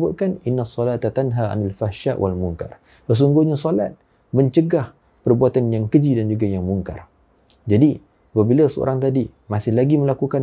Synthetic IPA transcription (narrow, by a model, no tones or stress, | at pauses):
bʊt̪̚kanɪnːasˤːɔlat̪at̪anɦaʔa̰nalfahʃaʔwʔalmuŋka̰r | səs̬uŋɡuhɲasola̰t̪̚ | mə̃ɲt͡ʃəɡah | pərbuat̪anjaŋkəd͡ʒidand͡ʒuɡajaŋmuŋka̰r | d͡ʒadi | apabilasəo̰ɾaŋt̪adi | masɪhlaɡimə̃lakukan